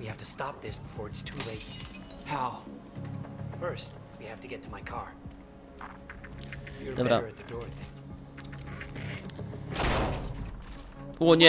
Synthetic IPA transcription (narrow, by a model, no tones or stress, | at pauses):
wihæftɨstɑp̚ðɪsb̥ɨfɔɹɨtstʰuleɪt̚ | haʊ | fɜ˞st̚ | wihæftɨɡɛtʰəmaɪkʰɑɹ | wiə˞lɛvəɾaə˞ɨt̪̚ðɨdɔɹʌðɪ̃ŋ | wʌnjɛ